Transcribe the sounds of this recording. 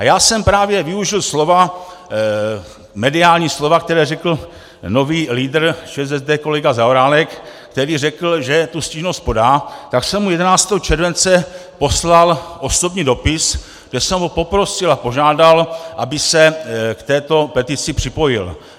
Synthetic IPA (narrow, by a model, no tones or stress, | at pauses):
ajaːsɛmpɾaːvjɛvɪuʒɪlslo̞va | mɛdɪaːlɲiːslo̞vakt̪ɛɾɛːrɛkl̩ | no̞viːliːdr̩t͡ʃɛːzɛzd̪ɛːko̞lɛɡazaoɾaːlɛk | kt̪ɛɾiːrɛkl̩ʒɛt̪usciːʒnost̪̚po̞daːt̪aksɛmːujɛdɛnaːt͡st̪ɛːɦot͡ʃɛɾvɛnt͡sɛpo̞slalʔo̞so̞bɲiːdo̞pɪs | ɡdɛsɛmɦopo̞pɾo̞sɪlapo̞ʒaːdalʔabɪsɛkt̪ɛːt̪o̞pɛt̪ɪt͡sɪpr̝̥ɪpo̞jɪ̰l